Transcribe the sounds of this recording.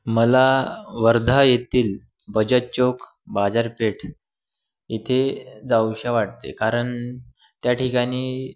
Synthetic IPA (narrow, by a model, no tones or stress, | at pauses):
məlaʋəɾd̪ʱajet̪iːl | bəd͡ʑət̚t͡ɕokbad͡zaɾpeʈʰ | it̪ʰed͡zawɕaʋaʈ̚t̪ḛkaɾəɳ | t̪jaʈʰikañiː